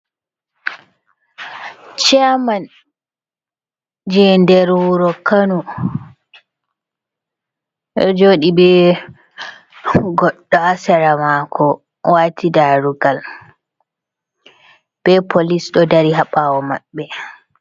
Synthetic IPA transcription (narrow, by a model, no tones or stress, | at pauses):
t͡ʃɛman | d͡ʒɛndɛɾwuɾɔkanu | ɛ̰d͡ʒoːɗibɛ | ɡɔɗːɔasɛɾamakʰɔ | waːtʰidaɾuɡal | b̥ɛpʰolisɗɔdaɾiɦaɓawɔma̰ɓːɛ